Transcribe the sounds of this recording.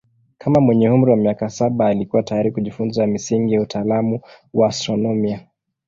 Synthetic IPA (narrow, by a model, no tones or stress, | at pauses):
kʰamamwɛɲɛum̩ɾiwamiakasaɓaːlikuwatajaɾikuʄifunzamisiŋɡijautʰaːlamu | waːstɾɔnɔmia